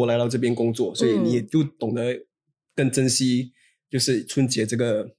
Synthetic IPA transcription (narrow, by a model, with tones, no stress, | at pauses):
ɔ˦˩la˧˥ɪt̪ɑ˥˧ʊʈ͡ʂɤ˥˩pjɛ˥nkʊ˥ŋt͡swɔ˥˩swɔ˧˥i˨˧˦ni˨˥jɛ˨˩t͡ɕjo˥˩ʊt̪ʊ˨˩ŋd̪ə˦ | kə˥˩ŋʈ͡ʂə˥nɕi˥ | t͡ɕjo˥˧ʊʂɻ̩˥˩t͡sʰwə˥nt͡ɕjɛ˧˥ʈ͡ʂɤ˥˩ɡə˩